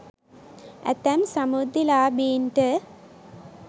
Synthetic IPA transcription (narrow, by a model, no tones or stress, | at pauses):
ɛ̰t̪ɛmsɐmud̪ilaːbiːnʈə